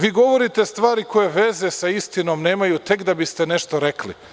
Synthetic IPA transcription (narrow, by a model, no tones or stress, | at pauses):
ʋiːɡo̞ʋo̞ɾit̪e̞st̪ʋaːɾiko̞je̞ʋeze̞saist̪ino̞ːmne̞ːmajut̪e̞kd̪abist̪e̞ne̞ʃt̪o̞ɾeklḭ